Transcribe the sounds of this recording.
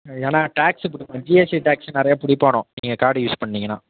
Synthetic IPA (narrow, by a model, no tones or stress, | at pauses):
eːnãːʈaːkspʊɽɪkːãd͡ʒieːsiʈaːksɐnɪɾɐjaːpʊɽɪpːaːɳʊ̃niːŋɡɐkaːɾɖjuːspɐɳːiːŋɡɐnã̰ː